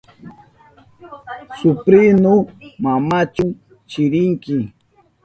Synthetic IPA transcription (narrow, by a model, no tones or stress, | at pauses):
sʊpɾɪnomamat͡ʃʊŋ | t͡ʃɪɾɪŋkɪ